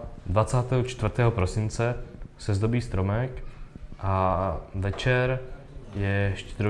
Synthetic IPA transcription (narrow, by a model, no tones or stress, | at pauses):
d̪vat͡saːt̪ɛːɦot͡ʃt̪vɾt̪ɛːɦopɾosɪnt͡sɛsɛzd̪o̞biːst̪ɾo̞mɛkʔavɛt͡ʃɛɾ | jɛʃcɛɾ